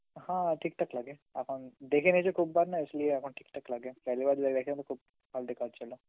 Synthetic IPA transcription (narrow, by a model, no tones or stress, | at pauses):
hãːʈɪk̚ʈɐklaɡeɐpʰə̃nd̪eːkʰẽned͡ʒokʰub̚baːɾnaɪslieɐpʰə̃ʈɪk̚ʈɐklaɡepɛɦlibaɾd̪lɐɡd̪eːkʰeẽt̪okʰub̚ | bʱaːld̪ekʰaːd̪t͡ʃɐlo